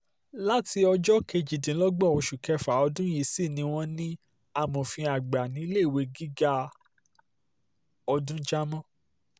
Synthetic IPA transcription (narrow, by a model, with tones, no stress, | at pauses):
la˦ti˧ɔ˧d͡ʒɔ˦ke˧d͡ʒi˨dĩ˨˦lɔ˦ɡ͡bɔ˦˨o˧ʃu˨kɛ˧fa˨˦ɔ˧dũ˦ji˧si˦˨nĩ˨˧˦w̃ɔ̃˦nĩ˦ | a˦˨mɔ̃˨fĩ˧a˨ɡ͡ba˨nĩ˨˦i˦le˦˨we˨˧˦ɡi˦ɡa˦ | ɔ˧dũ˦d͡ʒa˦mɔ̃˦˨